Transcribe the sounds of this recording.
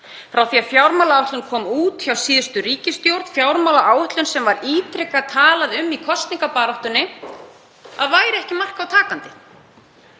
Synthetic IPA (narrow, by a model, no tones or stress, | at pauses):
fɾawθiafjawɾmawlaawht̪lʏnkʰɔːmuːt̪çawsiːðʏst̪ʏɾiːcɪst̪jowɾt̪fjawɾmawlaʔaːwʏht̪lʏnsɛmvaɾiːt̪ɾɪkat̪ʰaːlaðʏmːikʰɔst̪niŋkapaːɾɔwht̪ʏnːɪ | aðvaːjɾɪɛhcɪmar̥kawt̪ʰaːkant̪ɪ̥